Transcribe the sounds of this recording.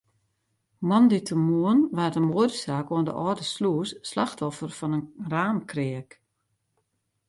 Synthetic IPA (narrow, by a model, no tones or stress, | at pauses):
mɔnditʰəmuənʋaːtəmuədsaːkoəndə̰ʔɔːdəsluəsːlaxtʰɔfərfɔnənraːnkʰrɪək